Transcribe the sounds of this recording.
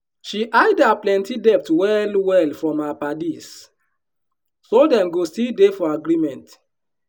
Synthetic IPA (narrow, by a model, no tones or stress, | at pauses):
ʃiʔaɪdaplɛ̃ntidɛp̚twɛlwɛlfɹɔ̃mapadis | sodɛ̃mɡostidefɔaɡɹimɛ̃nt